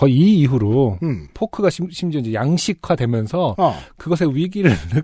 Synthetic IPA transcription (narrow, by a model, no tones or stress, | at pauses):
kʌiiːɦuɾopʰokʰɯɡaɕʰiɕʰimd͡ʑʌind͡ʑejaŋɕʰikʰwadwe̞mjʌnsʰʌkɯɡʌsʰe̞wɥiɡiɾɯɭːɯ